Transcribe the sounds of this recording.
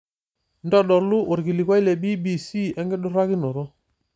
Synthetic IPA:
ndɔ˦ɗɔ˨ɾlu˦ʔo˨ɾɡi˨li˨ka˦i˦lɛ˨bi˦bi˨si˦˨ɛ˦ŋɡɛ˦ɗɔ˦ɾa˦ki˦nɔ˨ɾɔ˦

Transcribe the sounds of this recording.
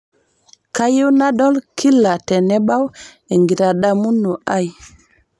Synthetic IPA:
ka˦ji˦wna˦ɗo˦lkʰi˦lːa˨te˨ne˦ɓa˦w | e˨ŋɡi˨ta˨ɗa˦mu˦nːo˨ʔa˦˨j

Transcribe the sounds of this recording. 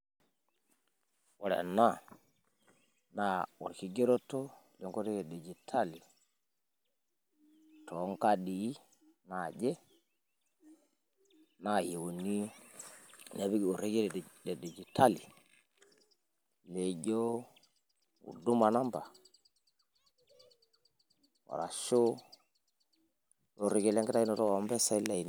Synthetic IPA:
wa˨ɾa̰˨nːa˦ | na˨wɔ̰˨ɾki˨ɡe˦ɾo˦tːɔ˦lɔ˨ŋko˦ti˦jɛ˨ɗe˨d͡ʒi˨tʰa˦li˨ | tɔ˨˦ŋka˦ɗi˨i˦ | na˨d͡ʒɛ˦ | na˨ji˨wo˨ni˦˨ | na˨˦bi˦ɡi˨o˨ɾe˦ɡe˦˨dɛ˨de˨d͡ʒi˨tʰa˦li˨ | le˨ɟo˦ | ṵ˨du˦ma˨na˦mba˨ | wa̰˨ɾa̰˨ʃo˦ | o˨ɾi˦ɡe˦lɛ˦ŋɡɛ˦ta˦i˦nɔ˨tɔ˦˨˦mbɛ˦sa˦i˦la˨n

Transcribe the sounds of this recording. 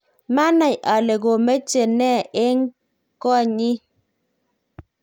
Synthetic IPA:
ma˦na˨jʔa˨le˨ɡo˨me˦t͡ʃe˨nɛ˦˨e˦ŋ˦ | kɔ˦˨ɲi˦

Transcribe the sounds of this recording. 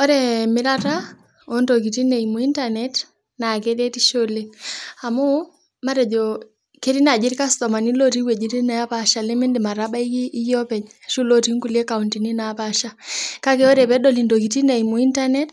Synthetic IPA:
ɔ˦ɾɛmɪ˦ɾa˦ta˦ | o˨ndo˨k̬i˨ti˦ne˨imu˨i˦nta˦nɛ˨t | na˨kɛ˦ɾɛ˦ti˦ʃo˦le˦a˨mu˦ | ma˦ɾɛ˨d͡ʒɔ˨ | ke˦ɾi˦na˨d͡ʒi˦ɾika˦stɔ˨ma˨ni˦lo˦ti˦we˨d͡ʒi˦ɾi˦na˨ja˦pa˨ʃa˨le˦me˦ndi˨ma˨ɾa˦ba˦i˦jjɔ˦pɛ˨ɲ˨ʃu˦lo˦ti˦ŋku˦ljɛ˦ka˨u˨nti˨ni˦na˨pa˨ʃa˦ka˦kɛ˦ɔ˦ɾɛ˨pɛ˦ɗɔ˦li˨ndo˨ki˨ti˦ne˨i˨mʊ˨i˦nta˦nɛ˦t

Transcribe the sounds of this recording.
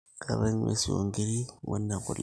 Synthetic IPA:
kʰa˨βa˦nmʔḛ˦si˨wo̰˨ŋɡi˦ɾi˦wa̰˦nːa˨kʊ̰˨l

